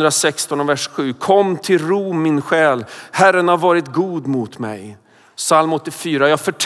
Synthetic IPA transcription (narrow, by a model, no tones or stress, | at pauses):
d̪ɾasɛkst̪ɔnɔvæʂɧʉ̟ːkʰɔmːt̪ʰɪlɾuːmːɪnɧɛːlhæɾːənhaɾvɑːɾɪt̪ɡuːd̪mʊt̪mɛ̰j | salmɔt̪ːɪfyːɾajɑːɡfœʈʰ